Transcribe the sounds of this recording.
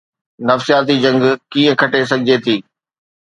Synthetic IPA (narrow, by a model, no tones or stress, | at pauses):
nɐfsijaːt̪id͡ʑɐ̃ŋɡkĩːə̃kʰɐʈes̬ɐɡʱɪd͡ʑet̪ʰiː